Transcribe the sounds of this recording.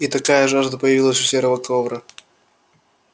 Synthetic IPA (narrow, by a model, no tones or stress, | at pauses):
it̪ɐkajəʐaʐd̪əpəjɪvʲilˠəsʲʊ̥sʲeɾəvəkovɾə